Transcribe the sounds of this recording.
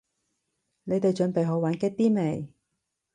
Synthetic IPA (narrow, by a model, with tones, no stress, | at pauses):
ne˨˧jt̪e˨jt͡ʃɵ˨˧npe˨jɦo˨˥waː˨˧˥nkɛ˥k̚t̪iː˥me˨˩j